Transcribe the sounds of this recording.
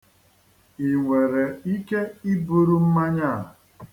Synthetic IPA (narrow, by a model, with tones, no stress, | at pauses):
i˨ŋʷe˨ɾe˨i˦ke˦i˦bu˦ɾu˦m̩˦ma˦ɲa˦˨